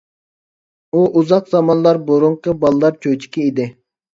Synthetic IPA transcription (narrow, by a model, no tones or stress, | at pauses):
uʔuzɑqzɑmɑnlˠɑɾboɾuɴqʰəbɑlˠɨlˠɑɾt͡ʃʰøt͡ʃʰi̥kʲiid̪ɪ